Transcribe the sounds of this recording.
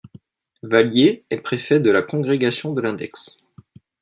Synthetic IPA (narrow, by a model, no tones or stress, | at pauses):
valjeɛpχefɛd̪əlakɔ̃ɡʁeɡasjɔ̃d̪əlɛ̃d̪ɛ̰ks